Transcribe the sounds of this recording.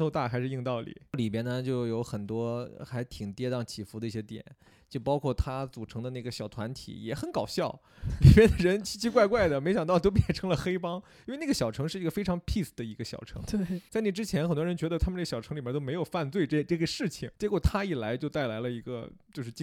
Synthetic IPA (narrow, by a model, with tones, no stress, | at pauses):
tʰo˥˧ʊt̪a˥˩xa˧˥ɪʂɻ̩˧i˥˧ŋt̪ɑ˥˩ʊlḭ˨˩˦li˨˩p̬jɛ˥nə˨t͡ɕjo˥˩ʊjo˧˥ʊxə˨˩nt̪wɔ˥xa˧˥ɪt̪ʰi˨˩ŋt̪jɛ˥t̪ɑ˥˩ŋt͡ɕʰi˨˩fu˧˥d̪ə˧i˥˩ɕjɛ˥t̪jɛ̰˨˩˦n | t͡ɕjo˥˩ʊpɑ˥ʊkʰwɔ˥˩t̪ʰa˥t͡su˨˩ʈ͡ʂʰɤ˧˥ŋd̪ə˧na˥˩ɡə˩ɕjɑ˨˩ʊt̪ʰwa˧˥nt̪ʰḭ˨˩jɛ˨˧˩xə˧˥nkɑ˨˩ʊɕjɑ˥˩ʊ | li˨˩pjɛ˥nd̪ə˨ɻə˧˥nt͡ɕʰi˥˩t͡ɕʰi˥kwa˥˧ɪkwa˥˩ɪd̪ə˩me˧˥ɪɕjɑ˨˩ŋt̪ɑ˥˩ʊt̪o˥ʊp̬jɛ˥˩nʈ͡ʂʰɤ˧˥ŋlə˨xe˥ɪpɑ˥ŋ | i˥n˥˧na˥˩ɡə˩ɕjɑ˨˩ʊʈ͡ʂʰɤ˧˥ŋʂɻ̩˥˩i˧˥ə˧fe˥ɪʈ͡ʂʰɑ˧˥ŋpʰi˥˩sd̪ə˩i˧˥ɡə˧ɕjɑ˨˩ʊʈ͡ʂʰɤ̰˧˥ŋ˥˩t͡sa˥˩ɪni˨˩ʈ͡ʂɻ̩˥t͡ɕʰjɛ˧˥nxə˨˩nt̪wɔ˥ɻə˧˥nt͡ɕɥɛ˧˥d̪ə˧t̪ʰa˥məna˥˩ə˩ɕjɑ˨˩ʊ˧˥li˨˩bɛ˥t̪o˥me˧˥ɪjo˨˩ʊfa˥˧nt͡swe˥˧ɪʈ͡ʂe˥˧ʈ͡ʂɤ˥˩ɡə˩ʂɻ̩˥˩t͡ɕʰi˩ŋt͡ɕjɛ˧˥kwɔ˨˩t̪ʰa˥i˨˩la˧˥ɪt͡ɕjo˥˧ʊt̪a˥˩ɪla˧˥ɪlə˧i˧˥ɡə̰˧t͡ɕjo˥˧ʊʂɻ̩˥˩t͡ɕ